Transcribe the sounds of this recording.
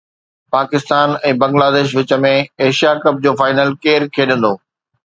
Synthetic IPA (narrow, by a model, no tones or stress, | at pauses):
paːkɪst̪aːnɛ̃ːbɐ̃ŋɡlaːd̪eːʃ̬ʋɪt͡ɕə̆mẽeːʃijakɐb̚d͡ʑoːfaːɪnəlkeːɾkʰeːɗə̃nd̪oː